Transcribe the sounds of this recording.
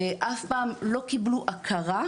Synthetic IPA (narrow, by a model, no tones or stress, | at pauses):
ʔafpaːmlo̞kibluʔakʰaʁa